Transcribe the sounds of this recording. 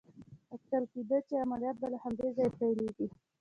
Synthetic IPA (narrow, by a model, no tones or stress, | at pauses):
ak̚t̪alkid̪at͡ʃeamalijɑt̪̚balahamd̪ezɑjepajleɡi